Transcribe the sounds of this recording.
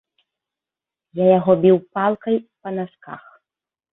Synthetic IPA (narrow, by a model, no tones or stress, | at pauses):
jajaɣɔbʲiwpalˠkɐjpɐnaska̰x